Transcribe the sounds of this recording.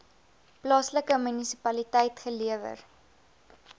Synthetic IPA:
plɑːsləkəmynisipɐlitɛjtχəliəvə̰r

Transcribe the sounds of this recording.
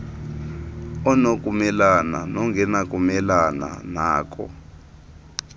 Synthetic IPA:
ɔnok̬ʼumɛlana̰nɔŋɡʱɛnak̬ʼumɛlana̰naːk̬ʼɔ̰

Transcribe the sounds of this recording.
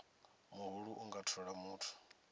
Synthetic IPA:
muɦuɺuʔuŋɡatʰɔɺamuːtʰu̥

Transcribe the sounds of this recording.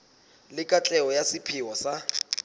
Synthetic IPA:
lɪkʼat͡ɬʼɛɔjasɪpʰɪwɔsa

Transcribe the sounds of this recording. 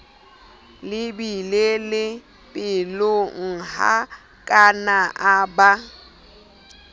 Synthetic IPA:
lɪbilelɪ | pʼɪloŋ̩ha̰ | kʼanaʔaba

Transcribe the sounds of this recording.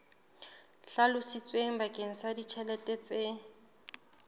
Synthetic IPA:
ɬalʊsɪt͡sʼweŋ̩bakʼeŋ̩sadit͡ʃʰɛlɛtʼɛt͡sʼe

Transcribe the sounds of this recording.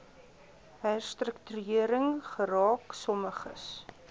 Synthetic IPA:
ɦɛstrəktyiəɾəŋχəɾɑːksɔməχəs

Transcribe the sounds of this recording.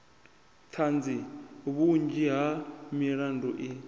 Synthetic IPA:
tʰand͡ziβund͡ʒiɦamiɾandɔʔi

